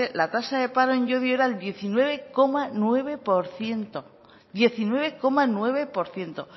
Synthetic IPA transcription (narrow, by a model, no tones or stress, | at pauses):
elat̪asaðe̞paɾoẽɲʝoðjoe̞ɾaeld̪je̞θinwe̞β̞e̞ko̞manwe̞β̞e̞po̞ɾθje̞nt̪o̞ | d̪je̞θinwe̞βe̞ko̞manwe̞βe̞po̞ɾθje̞nt̪o̞